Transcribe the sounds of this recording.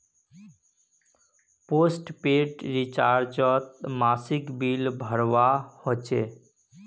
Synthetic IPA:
posʈpeʈɾit͡ʃaɾd͡ʒɔt̪masikbilbʱəɾʋahot͡ʃʰe

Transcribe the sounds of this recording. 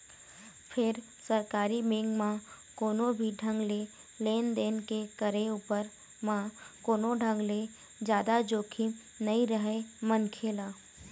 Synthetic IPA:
pʰɪɾ | səɾkaːɾimẽːŋɡmã | koːnõbʱiɖʱə̃ŋɡle | leːnd̪eːnkekəɾeuːpəɾ | mãkoːnõɖʱə̃ŋɡle | d͡ʒjaːd̪ad͡ʒoːkʰi | nəĩɾəɦemənkʰeːlaː

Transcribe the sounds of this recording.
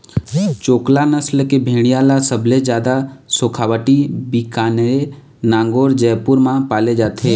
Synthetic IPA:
t͡ʃoːklanəslkebʱẽːɽ̃ijalasəbʱled͡ʒjaːd̪asoːkʰaːʋəʈibikaːnɾe | nãːŋɡoːɾd͡ʒɛːpʊɾmãpaːled͡ʒaːt̪ɦeː

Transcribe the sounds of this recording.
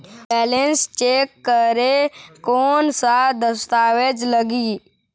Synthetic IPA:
bɛːlenst͡ʃeːkːəɾekoːnsad̪əst̪aːʋed͡ʒləɡi

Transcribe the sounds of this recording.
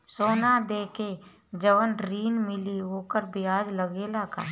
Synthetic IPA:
soːnad̪eːke | d͡ʒəʋənɾiːnmɪliɦoːkəɾbʱɪaːd͡ʒləɡeːlaka̰ː

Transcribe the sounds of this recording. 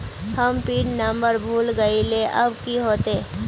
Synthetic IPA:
həmpiːʈnə̃mbəɾbʱuːlɡəileʔɐbkiɦoːt̪eː

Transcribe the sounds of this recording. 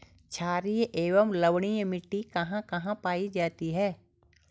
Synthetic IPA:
t͡ʃʰaːɾijʔeːʋəmləʋɽ̃ijmɪʈːikɐɦãkɐɦãpaːid͡ʒaːt̪iɦɛː

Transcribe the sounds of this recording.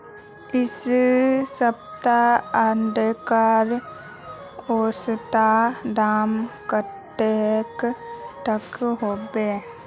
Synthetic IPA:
ɪs | səp̚t̪aəɳɖkəɾ | oːst̪aɖaːmkət̪ː | eːkʈəkɦoːbeː

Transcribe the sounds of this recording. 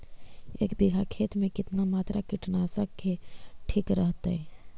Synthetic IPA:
ḛːkbiɡʱakʰeːt̪mẽkɪt̪namaːt̪ɾʔakɪʈnasəkːeʈʰiːkɾəɦt̪aɦɛ

